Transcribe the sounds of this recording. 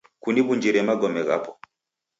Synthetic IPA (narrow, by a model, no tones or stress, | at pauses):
kuniβuɲd͡ʒiɾɛmaɡɔmɛɣa̰pɔ